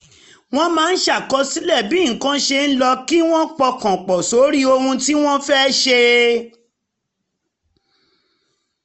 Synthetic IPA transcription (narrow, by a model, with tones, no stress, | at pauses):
w̃ɔ̃˦mãː˨˦n̩˦ʃa˦˨kɔ˧si˦lɛ˦˨bi˨˦˨kã˦ʃe˧n̩˦lɔ˧ki˦w̃ɔ̃˦k͡pɔ˧kã˨k͡pɔ˨so˨˦ɾi˦o˧hũ˧ti˦w̃ɔ̃˦fɛ˦ʃe˧